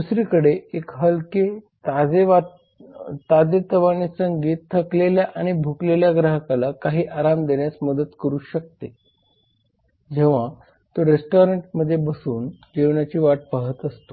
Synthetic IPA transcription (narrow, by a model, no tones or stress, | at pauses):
d̪usɾiːkəɽeekɦəlket̪ad͡zeʋa | t̪ad͡zet̪əʋanisəŋɡiːt̪t̪ʰːəkleljaʔaɽ̃ibʱukleljaɡɾəɦəkalakaɦiːʔaɾamd̪eɳjasməd̪ət̪kəɾuːɕək̚t̪e | d͡ʑeʋ̤a | t̪oɾesʈoɾeɳʈməd̪ʱːjebəsuːnd͡ʑeʋɳjat͡ɕiːʋaʈ̚pəɦət̪əst̪o